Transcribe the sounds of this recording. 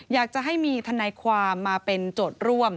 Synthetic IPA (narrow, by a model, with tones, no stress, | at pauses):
jaː˨˩k̚t͡ɕa˨˩ɦa˥˩jmiː˧t̪ʰa˧naː˧jkʰwaː˧mːaː˧pe˧nt͡ɕoː˨˩t̪̚ɾu˥˩əm